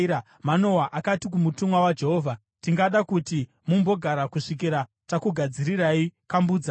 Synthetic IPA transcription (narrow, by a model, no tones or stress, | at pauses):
a | mano̞waʔakatik̬umutumwawad͡ʒe̞ɦoːvʱa | tiŋɡaɗakuti | mumbo̞ɡʱaɾakuʂik̬iɾa | takuɡʱad͡ziɾiraikambuːd͡za